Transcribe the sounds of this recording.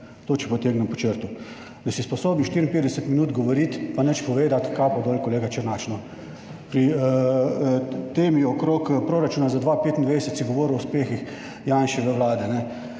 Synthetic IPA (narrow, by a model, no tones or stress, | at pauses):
t̪oːt͡ʃipɔt̪eːɡnɛmpɔt͡ʃəɾt̪u | d̪ɐsispɔsoːbniʃt̪iːɾinpeːd̪d̪ɛsət̪minuːt̪ɡɔʋoɾit̪panɛt͡ʃpɔʋeːd̪at̪kapɔd̪olʲkoleːɡat͡ʃɛɾnaːt͡ʃnɔ | pɾi | t̪eːmiɔkɾoːkpɾoːɾat͡ʃuːnazad̪ʋapeːt̪ind̪ʋed̪ɛsət̪siɡoʋoːɾɔuspeːxix | jaːnʃiʋəʋlaːd̪ɛnɛ